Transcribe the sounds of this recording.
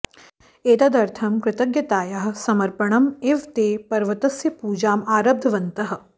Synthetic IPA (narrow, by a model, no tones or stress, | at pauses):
eːt̪ɐd̪ɐɾt̪ʰɐmkɾɪt̪ɐɡjɐt̪aːjɐɦsɐmɐɾpɐɳ̃ɐmeʋt̪eːpɐɾʋɐt̪ɐsjɐpuːd͡ʒaːmaːɾɐb̚d̪ʱɐʋɐnt̪ɐɦ̆